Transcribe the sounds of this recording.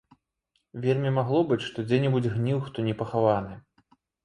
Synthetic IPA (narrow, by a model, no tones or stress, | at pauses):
vʲɛlʲmʲɛmaɣlˠɔbɨt͡sʲʂt̪ɔd͡zʲɛnʲɛbud͡zʲɣnʲiwxt̪ɔnʲɛpɐxavanɨ